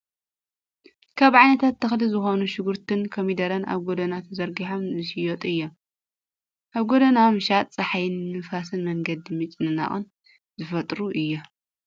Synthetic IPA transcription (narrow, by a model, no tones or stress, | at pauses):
kʰaβʕajnɐt̪ʰat̪ʰːɨxlizɨxonuʃɪɡuɾt̪ʰɨnkʰomid̪ɐɾɐnʔa̰βɡod̪ɐnat̪ʰzɐɾɡiħomzɨʃijot̪ʼɨjːo | ʔaβɡod̪ɐnamɨʃat̪ʼt͡sʼɐħajɨnmɨfasɨnmɐŋɡɐd̪ɨmɨt͡ʃʼɨnɨna̰χʼɨ̰n | zɨfɐt̪ʼɾuʔɨjːo